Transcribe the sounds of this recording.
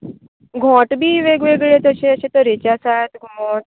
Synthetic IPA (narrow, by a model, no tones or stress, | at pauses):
ɡʱɔ̃ʈbʱiːʋeɡʋeɡɭet̪əɕeəɕẽt̪əɾet͡ɕjasat̪ɡmɔʈ̚